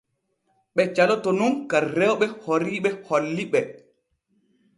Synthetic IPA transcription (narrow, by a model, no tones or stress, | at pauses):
ɓɛt͡ʃalɔtɔnunkarɛwɓɛhoɾiɓɛholːiɓɛ